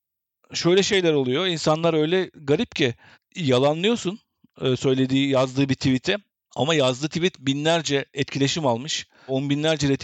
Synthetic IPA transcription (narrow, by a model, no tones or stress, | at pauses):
ʃø̞jlʲɛʃe̞jlʲæɾolˠujo̞insanlˠaɾø̞jlʲɛɡaɾip̚cʰi | jalˠanlˠɯjo̞sunː | sø̞jlʲe̞d̪iːjazd̪ɯːbit̪ʰivit̪ʰɛ | a̰majazd̪ɯːt̪ʰivit̪binlʲæɾd͡ʒɛɛt̪cʰilʲe̞ʃimalˠmɯʃ | onbinlʲæɾd͡ʒɛɾet̪ʰ